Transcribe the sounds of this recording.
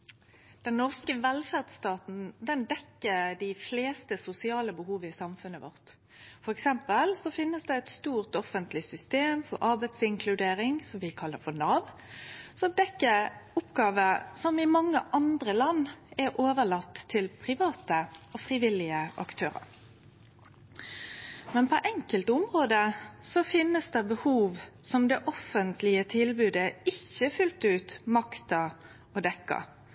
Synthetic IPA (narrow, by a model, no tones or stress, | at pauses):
d̪̥ɛnːɔʁskəʋɛlfæʁd̪st̪ɑːt̪n̩d̪ɛnd̪ɛkːəd̪ɪfleːst̪əsʊsɪɑːləbəɦuːʋəɪsɑmfʉnəʋɔ̰ʁt̪ | fɔʁɛksɛmpəlsɔfɪnːəsd̪ɛɛɪt̪st̪uːʁt̪ɔfənt̪lɪsʏst̪eːmfɔ̰ɾʔɑʁbæɪt̪sɪŋkʰlʉd̪eːɾɪŋsɔmʋɪkʰɑlːəɾfɔʁnɑːʋ | sɔmd̪ɛkːəʁʊpːɡɑːʋəsɔmɪmɑŋːəʔɑnd̪ɾəlɑnːɛɾʔoːʋəɭɑt̪ʰːɪlpʰɾɪʋɑːt̪əofʁɪʋɪlɪəʔɑ̰kt̪ʰøːɾɑ̰ɾ | mɛnpʰoʔɛŋkəlt̪ʊmʁoːd̪əsɔfɪnːəsd̪ɛbəhuːʋsɔmd̪ɛʔɔfənt̪lɪət̪ʰɪlbʉːd̪əɪçːəfʉlt̪ʉːt̪mɑkt̪ɑ | ɔd̪ɛkːɑ̰